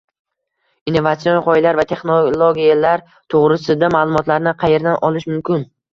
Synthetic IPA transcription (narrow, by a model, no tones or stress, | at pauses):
inːo̞vat̪sionʁɒɪlaɾvat̪ʰe̞χnolˠoɡʲijalaɾ | t̪ʰoʁɾɪsɪd̪amaːlˠʊmɒt̪laɾnɪqʰɑje̞ɾd̪anʔɒlɪʃmʊmkʲʰɪn